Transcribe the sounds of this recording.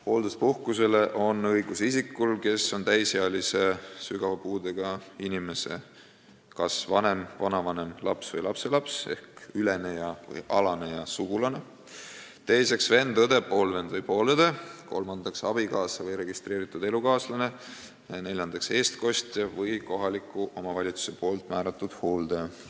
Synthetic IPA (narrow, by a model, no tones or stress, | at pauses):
po̞ːld̪uspuhkuse̞le̞ʔo̞nɤjɡ̥usisikːulke̞sːo̞nt̪æjseɑlise̞syɡ̥ɑvɑpuːd̪eɡ̥ɑinime̞se̞̰ | kɑsvɑne̞mvɑnɑvɑne̞mlɑ̰psvɤjlɑpse̞lɑpse̞̰hkylenejɑvɯ̰jɑlɑne̞jɑsuɡ̥ulɑne̞ | t̪e̞jse̞ksve̞nd̪ɤd̪e̞po̞ːlve̞nd̪vɤjpo̞ːled̪̥e̞ko̞̰lmɑnd̪̥ɑksɑb̥ikɑːsɑvɤjɾe̞ɡ̥ist̪ɾe̞ːɾit̪ːˑud̪e̞lukɑːslɑne̞ | jɑne̞lʲjɑnd̪̥ɑkse̞ːst̪ko̞st̪jɑvɤjko̞ɦɑlikːˑuʔo̞mɑvɑlʲit̪su̥se̞po̞ːlt̪ˑmæːɾɑt̪ːˑud̪̥hoːld̪̥e